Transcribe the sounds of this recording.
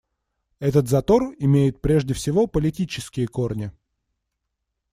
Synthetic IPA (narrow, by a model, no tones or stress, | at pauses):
ɛt̪ət̪zɐt̪o̞rɪmʲejɪt̪̚pɾʲe̞ʐdʲɪfsʲɪvo̞pəlʲɪtʲit͡ɕɪskʲɪjəko̞rnʲɪ